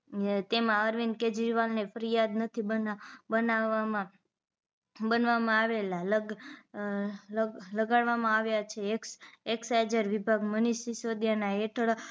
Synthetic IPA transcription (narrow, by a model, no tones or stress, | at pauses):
t̪emãəɾʋinked͡ʒɾiʋalnefəɾijad̪nət̪ʰibəbənaʋamã | bənʋamãaʋelalə | ləɡaɭʋamãaʋjat͡ʃʰekeksad͡ʒəɾʋibʱaɡməniʃisod̪janaeʈʰəɭ